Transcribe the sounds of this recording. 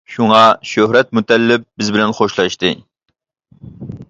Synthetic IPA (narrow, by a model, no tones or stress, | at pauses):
ʃuŋɑʃøhɾɛt̪̚mut̪ʰɛlːɪp̚bɪzbɪlɛnχoʃlˠɑʃt̪ɨ